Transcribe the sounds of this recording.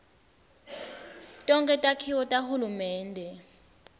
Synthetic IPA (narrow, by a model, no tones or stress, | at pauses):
tʼɔŋkʼɛtʼakʰiwɔtʼahulumɛːndʱɛ